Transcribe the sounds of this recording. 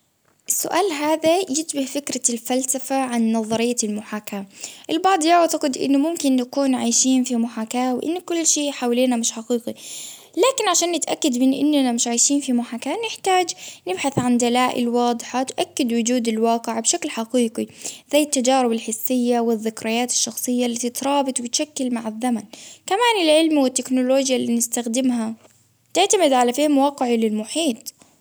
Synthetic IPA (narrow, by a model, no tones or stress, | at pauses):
ʔɪsːʊʔaːlɦaːðajɪt̪bahfɪkɾalfalsafaʕanːɑðˤɑɾɪjːalmʊħaːkaːʔɪlbɑʕd̪ˤjaʕt̪aqɪd̪ʔɪ̰nːʊmʊmkɪnːakuːnʕaːjʃiːnfimʊħaːkaːwʔɪ̰nːkʊlːʃeːʔħaːwliːnamɪʃħaqiːqi | laːkɪnʕaʃaːnːɪt̪ʔakːad̪mɪnʔɪ̰nːanamɪʃʕaːjʃiːnfimʊħaːkaːnɪħt̪aːd͡ʒnɪbħaθʕand̪alaːʔɪ̰lwɑːd̪ˤħat̪ʔakːɪd̪wʊd͡ʒuːd̪alwɑːqɪʕbʃaklħaqiːqizajːɪt̪ːad͡ʒaːɾɪbalħɪsːɪjːawɪðːɪkɾɑjaːt̪ɪ̥ʃːɑxsˤɨjːalit̪it̪ɾˤɑːbɨt̪ˤwɪt̪ʃakːɪlmaʕaðːamankamaːnɪlʕɪlmwɪt̪ːɪknʊloːd͡ʒjaliːnɪst̪axd̪ɪmha | t̪ɪʕt̪amɪd̪ʕalafiːhmwɑːqɪʕilɪlmʊħiːt̪ˤ